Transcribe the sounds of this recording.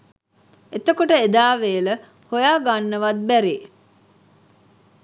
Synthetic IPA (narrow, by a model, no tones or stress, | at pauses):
et̪əkoʈəed̪aːʋeːlə | hojaːɡɐnːəʋɐd̪̚bæɾeː